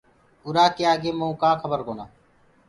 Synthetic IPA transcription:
ʊːɾaːkeːaːɡeːməũːkãːkʰəbəɾkoːnaː

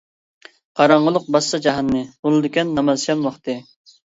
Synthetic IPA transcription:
qʰɑɾɑɴʁəlˠʊq̚bɑst̪ɑd͡ʒɑɦɑnːɨunɨd̪ɪkʲɛnːɑmɑzjɑmwɑχt̪ɨ

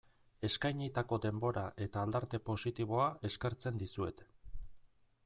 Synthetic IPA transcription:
e̞skajɲit̪ako̞d̪e̞mbo̞ɾaʔe̞t̪aːld̪aɾt̪e̞po̞sit̪iβ̞o̞ae̞ske̞ɾt͡se̞nd̪isue̞t̪

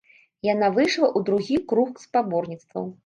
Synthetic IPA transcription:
janavɨʂlˠɐʔud̪ɾuɣʲikɾuxspabɔrnʲit̪st̪vɐ̰w

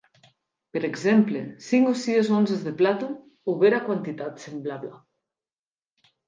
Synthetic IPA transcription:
peɾekzemplḛsiŋɡosiezonzezðeplat̪o | oβeɾakwant̪it̪at̪semblaβla

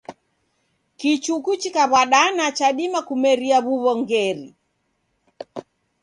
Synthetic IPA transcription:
kit͡ʃukut͡ʃikaβwaɗanat͡ʃaɗimakumɛɾiaβuβɔŋɡɛɾi

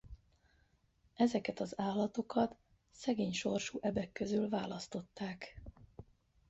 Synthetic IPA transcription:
ɛzɛkɛt̪ɒzaːlːɒt̪o̞kɒt̪ | sɛɡeːɲʃo̞rʃuːʔɛbɛkːø̞zylvaːlɒst̪o̞t̪ːaːk

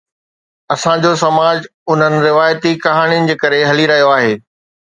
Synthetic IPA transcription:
ɐsãd͡ʑosɐmaːd͡ʑ | ʊn̤ənɪ̆ɾɪʋaːjt̪ikɐɦaːɽ̃ijʊnɪ̆d͡ʑeːkɐɾeɦɐliɾɐɦijoaːɦeː

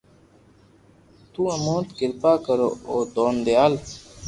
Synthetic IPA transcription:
t̪uːɐmoːt̪kɪɾpaːkəɾo̰ːoːd̪oːnd̪ejaːl

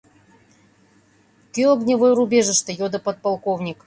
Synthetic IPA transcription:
k̪ʲiɔɡnʲɪvojɾubʲeʐɨʂt̪əjod̪əpɐt̪̚pɐlˠkovnʲik

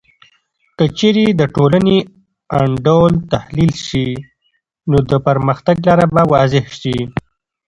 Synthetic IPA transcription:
kət͡ʃeɾed̪əʈolane | aɳɖolt̪ahlilʃi | nod̪əpəɾməxt̪aɡlɑɾabawɑzɪhʃi

